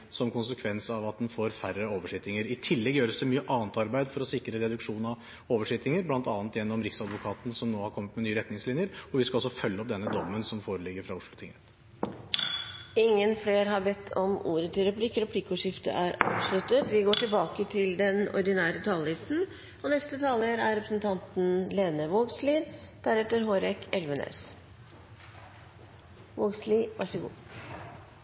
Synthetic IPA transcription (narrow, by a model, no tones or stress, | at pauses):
sɔmkʰʊnsəkʰʋɛnsɑʋɑt̪̚d̪ɛnfoːɾfæɾəoːʋəʂɪt̪ɪŋəɾɪt̪ʰɪlːɛɡjøːɾəsd̪ɛmyːəʔɑːnt̪ɑɾbæɪd̪fɔɾɔsɪkːɾəɾɛd̪ʉkʂuːnɑʋ | oːʋəʂɪt̪ɪŋəɾblɑnt̪ɑːnət̪jɛnːɔmɾɪksɑd̪ʋʊkʰɑːt̪nsɔmnoːhɑɾkʰɔmːət̪mɛnyːəɾɛt̪nɪŋslɪnjəɾɔʋɪskɑɔsːɔfœlːəɔp̚d̪ɛnːəd̪ɔmːənsɔmfoːɾəlɪɡəɾfɾɑʊʂlʊt̪ʰɪŋət̪ | ɪŋːənfleːɾɦɑɾbɛt̪ʰːɔmṵːɾət̪ʰɪlɾɛpʰlɪkːɾɛpʰlikːuːʂɪft̪ə̰ʔæɾɑ̰ːʋslʉt̪ət̪ʋɪɡoːʈɪlbɑːkət̪ʰɪld̪ɛnɔ̰ɾɖ̪ɪnæːɾət̪ʰɑːlɪsn̩ | ɔnɛst̪ət̪ʰɑːləɾæɾɾɛpɾəsənt̪ʰɑnt̪n̩leːnəʋoːɡsliːd̪̥æɾɛt̪ːəɾɦoːɾɛkɛlʋənḛːs | ʋoːɡslɪʋʔɑ̰ʂəɡṵː